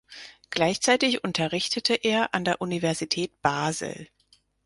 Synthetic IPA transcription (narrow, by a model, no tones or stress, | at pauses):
ɡ̥laɪçt͡saɪtɪçʔʊntʰɐʁɪçtʰətʰəʔeːɐʔandeːɐʔunivɛɐzitʰɛːt̚b̥aːzl̩